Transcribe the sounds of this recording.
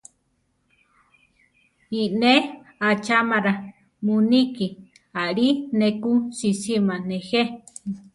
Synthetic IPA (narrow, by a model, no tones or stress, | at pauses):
ine | at͡ʃamaɾa | muniki | aɾinekusisimanehe